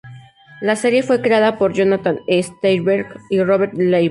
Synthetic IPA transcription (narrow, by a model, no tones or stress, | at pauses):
lase̞ɾje̞fwe̞kɾe̞aðapo̞ɾd͡ʒonat̪anest̪ejβeɾkiroβeɾt̪lej